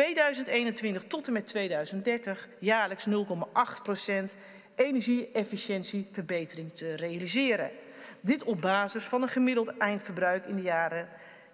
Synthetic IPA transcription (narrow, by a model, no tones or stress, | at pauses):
tejdœɥzəntejnəntʋɪntəχtɔtəmɛtʋejdœɥzən̚dɛɹtəχjaːɹləksnɵlˠkɔmaʔɑχtprosɛnt | ejnɛɹʒiɛfiʃɛnsivəɹbejtərɪŋtʰərejalizɪːɾədɪtɔb̚baːzəsfɑnənχəmɪdəlˠtɛjntfəɹbrœɥkɪndəjaːɾə